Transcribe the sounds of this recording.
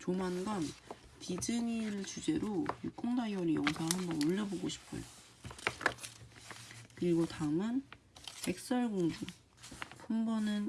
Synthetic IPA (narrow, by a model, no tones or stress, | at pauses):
t͡ɕomɦanɡʌn | tid͡ʑɯŋiɭt͡ɕud͡ʑe̞ɾojuk͈oŋdajʌɾijʌŋsʰaɦambʌnoʎːʌboɡoɕʰi̥pʰʌ̰jo | kɯɾiɡotaɯmɯn | pek̚s͈ʌɭɡoŋd͡ʑu | pʰumbʌnɯn